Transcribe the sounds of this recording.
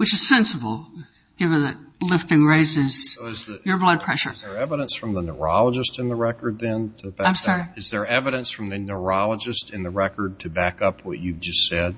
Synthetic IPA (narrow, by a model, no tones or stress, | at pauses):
wɨt͡ʃɨz̥sɛ̃nsəbl̩ˠ | ɡ̥ɪvɨ̃nðɨt̚lɪftɪ̃ŋɹeɪzɪz̥zjə˞blʌd̚pʰɹ̥ɛʃə̰˞ə˞ɛvəɾə̃nsfɹʌ̃mðənə˞ɑlˠəd͡ʒɨstɨ̃nðəɹɛkə˞d̪̚ðɨ̃ntʰɨbaɪ̃msɑɹiɨzðə˞ɛvɨɾɨ̃nsfɹʌ̃mðɨnə˞ɑlˠəd͡ʒɨstɨ̃nðɨɹɛkə˞d̚tʰɨbækʌpʰwʌ̰t͡ʃʉvd͡ʒʌstsɛd̥̚